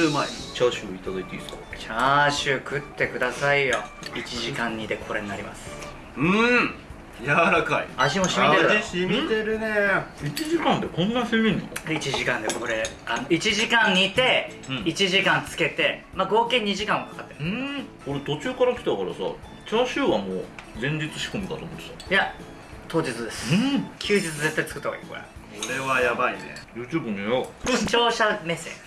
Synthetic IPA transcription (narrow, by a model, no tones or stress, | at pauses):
maḛt͡ɕaɕɨit̪ad̪ait̪eḭskat͡ɕaɕɨkɯ̟t̪ːe̞kɯ̟d̪asaijo | it͡ɕiʑikãɲ̟ːit̪e̞kʰo̞ɾe̞ɲinaɾʲḭma̰sɨ̥ | ɯ̃ | jaɾakaḭaʑimo̞ɕimʲit̪eɾɯmit̪eɾɯ̟neit͡ɕiʑikãnd̪e̞kõ̞nːasemʲĩnːo̰it͡ɕiʑikãnd̪e̞ko̞ɾe̞ano̞it͡ɕiʑikãɲ̟ːit̪e̞ | it͡ɕiʑikãnt͡sɨ̥ke̞t̪e̞maɡo̞ːkẽ̞ɲ̟ːiʑikãɰ̃akḁkat̪ːeɾ̃ko̞ɾe̞t̪o̞t͡ɕɨːkaɾakʲi̥t̪akɑɾa̰sa̰ | t͡ɕaːɕɨːβamo̰ːd͡zẽ̞ɲ̟d͡ʑit͡sɨɕi̥komʲid̪a̰t̪oːmoe̥saja | t̪o̞ːd͡ʑit͡sɨd̪e̞sɨ̥kʲʰɨːd͡ʑit͡sɨze̞t̪ːait͡sɨ̥kɯt̪ːako̰ḭko̞̰ɾḛ | kkoɾe̞βajabainḛjɯ̟ːt͡ɕɨːbɯnojokoot͡ɕo̞ːɕame̞se̞̰ː